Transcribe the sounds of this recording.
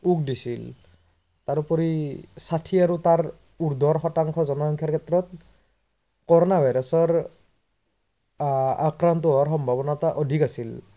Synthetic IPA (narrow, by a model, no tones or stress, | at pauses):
uk̚disil | t̪aɾupɔɾisatʰiaɹut̪aɹ | uɹd̪ʱɔɹxɔtaŋkʰɔzɔnɔsɔŋkʰjaɹkʰɛt̪ɾɔt̪̚ | kɔɹɔnabʱajɾɔsɔɹ | a̰kɾant̪uɔwaɹxɔmbʱabɔnataʔɔdʱikasil